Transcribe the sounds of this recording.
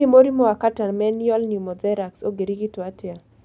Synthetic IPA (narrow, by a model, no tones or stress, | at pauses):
imoɾimɔakatanmɛniɔlnjumɔd̪ɛɾaksoɡeɾiɡitʊatɪa